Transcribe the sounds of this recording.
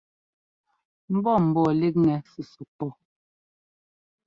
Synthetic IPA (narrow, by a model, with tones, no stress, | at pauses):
m̩˦bɔ˦˨m̩˨bɔ˦˨le˦k̚ŋɛ˨su˨su˨pɔ˦˨